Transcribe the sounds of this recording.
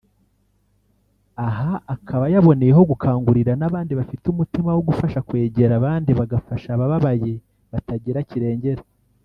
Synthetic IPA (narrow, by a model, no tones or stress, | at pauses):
aɦaːkʰaβajaβo̞ne̞je̞ɦo̞ɡukʰaːŋɡuɾiɾanaβaːndiβafitumutimawoɡufaʃakwe̞ːɟe̞ɾaβaːndiβaɡafaʃaβaβaβaje̞ | βataɟiɾaciɾe̞ːɲɟe̞ɾe